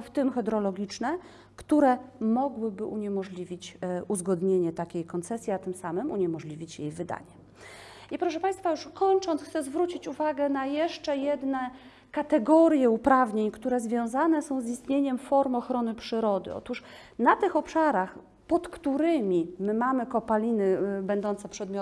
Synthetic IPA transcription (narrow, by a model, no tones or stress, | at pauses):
ft̪ɘmxɛd̪ɾɔlɔɡʲit͡ʂnɛ | kt̪uɾɛmɔɡwɘbɘʔuɲɛmɔʐlʲivʲit͡ɕuzɡɔd̪ɲeɲɛt̪akʲejkɔnt̪sɛsʲjiat̪ɘmsamɘmuɲɛmɔʐlʲivʲit͡ɕjḛjvɘd̪a̰ɲɛ | ipɾɔʂ̬ɛpaj̃st̪fajuʂkɔɲt͡ʂɔ̃nt̪xt̪sɛzvɾut͡ɕit͡ɕuvaɡɛnajɛʂt͡ʂɛjɛd̪nɛ | kat̪ɛɡɔɾʲjɛupɾavɲeɲkt̪uɾɛzvʲjɔ̃w̃zanɛsɔ̃w̃zist̪ɲeɲɛmfɔɾmɔxɾɔnɘpʂɘɾɔd̪ɘ̰ɔ̰t̪uʂ | nat̪ɘxɔpʂaɾax | pɔt̪kt̪uɾɘmʲimɘmamɘkɔpalʲinɘbɛnd̪ɔnt̪sɛpʂɛd̪mjɔ